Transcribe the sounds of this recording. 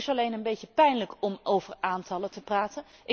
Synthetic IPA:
sɑlejnənbejcəpɛjnləkɔmowv̥əɹaːntɑlətəpraːtən | ʔɪ

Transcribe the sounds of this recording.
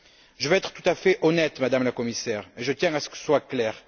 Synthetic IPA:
ʒəvɛɛt̪χə̥t̪ut̪afɛʔɔnɛt̪mad̪amlakɔmisɛʁeʒət̪jɛ̃asə̥kə̥swaklɛʁ

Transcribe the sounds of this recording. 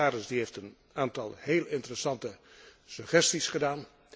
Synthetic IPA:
aːɾəsdiɦejftən | aːntɑlˠheːlˠɪntərəsɑntəsɵχɛstisχədaːn

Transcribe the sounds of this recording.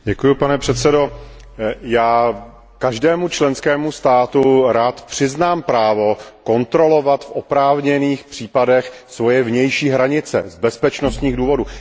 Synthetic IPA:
ɟɛkujupanɛpr̝̥ɛt̪sɛdo̞ | jaː | kaʒdɛːmut͡ʃlɛnskɛːmust̪aːt̪uɾaːt̪pr̝̥ɪznaːmpɾaːvo̞ko̞nt̪ɾo̞lo̞vat̪fʔopɾaːvɲɛniːxpr̝̥iːpadɛxsvo̞jɛvɲɛjʃiːɦɾaɲɪt͡sɛ̰zbɛspɛt͡ʃnost̪ɲiːɣduːvo̞du

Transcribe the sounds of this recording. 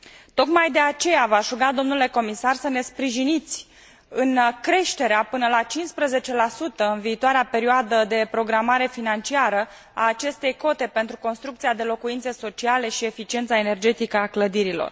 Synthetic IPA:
t̪o̞kmajd̪e̞at͡ʃe̞javaʒuɡad̪o̞mnule̞ko̞misarsəne̞spɾiʒinit̪sʲ | ɨnkɾe̞ʃt̪e̞ɾeapɨnəlat͡ʃinspɾəze̞t͡ʃe̞lasut̪əɨnviːt̪oaɾeape̞ɾioad̪əd̪e̞pɾo̞ɡɾamaɾe̞finant͡ʃiaɾə | aːt͡ʃe̞st̪e̞jko̞t̪e̞pent̪ɾuko̞nst̪ɾuk̚t̪siad̪e̞lo̞kuint̪se̞so̞t͡ʃiale̞ʃie̞fit͡ʃie̞nt̪sae̞ne̞rd͡ʒe̞t̪ikəakləd̪iɾilo̞̰r

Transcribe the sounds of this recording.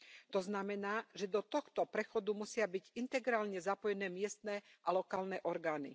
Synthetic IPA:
t̪ɔznamɛnaːʒɛd̪ɔt̪ɔxt̪ɔpɾɛxɔd̪umusɪabiɟint̪ɛɡɾaːlɲɛzapɔjɛnɛːmɪɛst̪nɛːʔalɔkaːlnɛːʔɔɾɡaːnḭ

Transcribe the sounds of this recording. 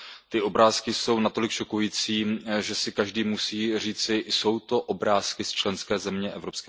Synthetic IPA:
t̪ɪo̞bɾaːskɪso̞wnat̪o̞lɪkʃo̞kujiːt͡siːʒɛsɪkaʒdiːmusiːr̝iːt͡sɪʔɪso̞wt̪o̞ʔobɾaːskɪst͡ʃlɛnskɛːzɛmɲɛʔɛvɾo̞pskɛ

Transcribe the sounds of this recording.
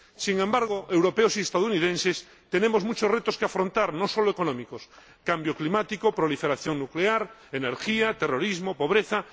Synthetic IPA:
siŋẽmbaɾɣ̞oʔewɾopeosiest̪aðunið̞ẽnses | t̪enemozmut͡ʃosret̪oskeafɾo̞nt̪aɾnosoloekonõmikos | kambjoklimat̪ikopɾolifeɾaθjo̞ŋnukleaɾeneɾxiat̪ero̞ɾizmopo̞β̞ɾeθa

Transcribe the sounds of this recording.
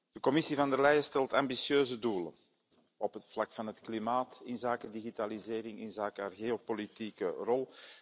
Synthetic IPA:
d̥əkɔmɪsivɑndəlɛjəstɛlˠtɑmbisjøːzəduːlə̰n | ɔpɦətflɑkfɑnɦətklimaːtɪnzaːkədiɣitalizeːɾɪŋɪnzaːkəaːrɣeːopolitikərɔlˠ

